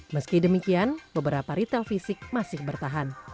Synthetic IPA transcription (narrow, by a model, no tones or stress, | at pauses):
məskidəmikianbəbəɾapaɾit̪ɛlfisɪk̚masɪhbərt̪aɦan